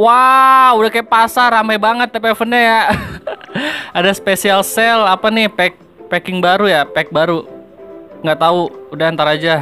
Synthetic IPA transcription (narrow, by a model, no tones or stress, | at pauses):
waudahkajaʔpasaɾampajbaŋət̪ːapɛfənɲaja | adaspesialsɛlapanɪhpɛk̚ | pɛkɪŋbaɾujapɛk̚baɾu | ŋɡaʔt̪auudaant̪aɾad͡ʒa